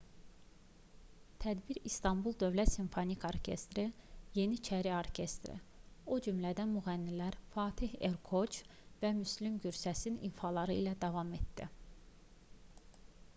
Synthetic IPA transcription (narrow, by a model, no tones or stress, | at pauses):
t̪ʰæd̪biɾist̪ʰɑmbulˠd̪ø̞vlæt̪siɱfonikʰoɾcʰe̞̰st̪ɾije̞nit͡ʃʰæɾio̞ɾcʰe̞st̪ɾḭod͡ʒymlæd̪æmyɣænːilæɾfɑːt̪ʰihe̞ɾkʰo̞t͡ʃvæmyslimɟyɾsæsinḭnfɑlˠɑɾɯḭlæd̪ɑvɑme̞t̪d̪ḭ